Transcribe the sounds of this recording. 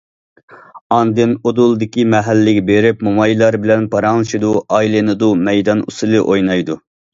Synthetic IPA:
ɑnd̪ɨnod̪ulˠd̪ɪkʲimɛɦælːɪɡʲɛbeɾɪpmumɑjlˠɑɾbɪlɛnpʰɑɾɑŋlˠɨʃid̪uɑilˠɨnɨd̪umɛjd̪ɑnṵsɨlˠɨʔojnɑjd̪u

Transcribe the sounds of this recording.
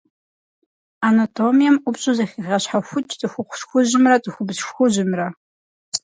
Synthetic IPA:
anatʰomijɛmupɕʼuzɐχʲiʁɐɕħaxʷʊt͡ʃʰʼtʼɨxʷʊχʷʊɕxʷʊʑɪmrɐtʼɨxʷʊbzʃxʷʊʑɪmrɐ

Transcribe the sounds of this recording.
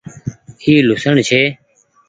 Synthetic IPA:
iːlʊsəɳt͡ʃʰeː

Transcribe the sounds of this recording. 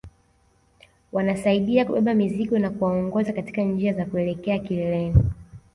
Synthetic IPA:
wanasaiɗiakuɓɛɓamiziɠɔnakuwaɔŋɡɔzakati̥kand͡ʒiazakuɛlɛkɛakilɛlɛni

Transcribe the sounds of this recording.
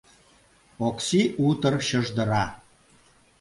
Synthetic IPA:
oksiut̪ɤrɕɤ̆ʒd̪ə̆ɾɑ

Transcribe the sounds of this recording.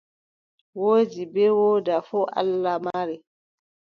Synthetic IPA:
woːd͡ʒibɛwoːdafɔʔa̰lːamaɾi

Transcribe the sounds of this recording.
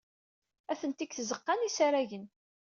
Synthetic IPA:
æθənt̪ikθzəqːɑnisaɾæʝən

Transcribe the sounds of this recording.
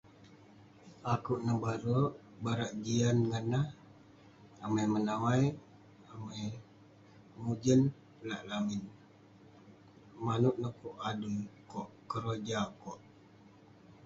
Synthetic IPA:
akuʔnəbaɾoʔ | baɾaʔd͡ʒianŋənːah | amajmənamaj | amaj | mud͡ʒən | pəlaʔlamin | manuʔnəkuʔadukɔʔkəɾod͡ʒakɔʔ

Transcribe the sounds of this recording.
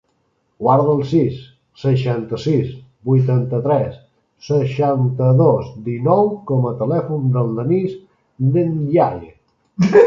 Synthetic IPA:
ɡwaɾðəlˠsisː | əʃant̪əsisbujt̪ant̪ət̪ɾɛsː | əʃant̪əðɔzd̪inɔwkɔmət̪əlɛfund̪əlˠd̪əniz | d̪ənʎaʎ

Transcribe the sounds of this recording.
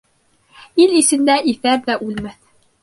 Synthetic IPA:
ilisɘ̆nd̪æʔiθæɾðæʔʉlmæθ

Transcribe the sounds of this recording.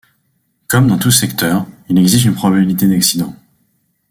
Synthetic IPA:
kɔmd̪ɑ̃t̪usɛkt̪œːʁilɛɡzist̪ynpχɔbabilit̪ed̪aksid̪ɑ̃

